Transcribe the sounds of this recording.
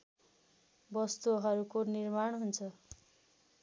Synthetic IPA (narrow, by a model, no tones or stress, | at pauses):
bʌst̪uɦʌɾukonirmaɳ̃ɦunt͡sʰʌ